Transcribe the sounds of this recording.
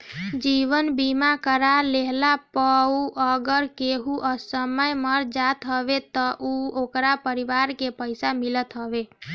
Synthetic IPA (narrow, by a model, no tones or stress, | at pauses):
d͡ʒiʋənbimakəɾaleɦlapəuʔəɡəɾkeɦuʔəsəməjməɾd͡ʒat̪ɦəʋet̪əʔuokɾapəɾiʋaɾkepəjsamilət̪ɦəʋe